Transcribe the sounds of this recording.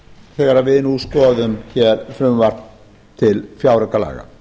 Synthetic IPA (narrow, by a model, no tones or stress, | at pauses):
θɛːɣaɾavɪðnuskɔːðʏmçɛɾfɾʏmvar̥t̪n | t̪ʰɪlfjawɾɛkala̰ːɣa̰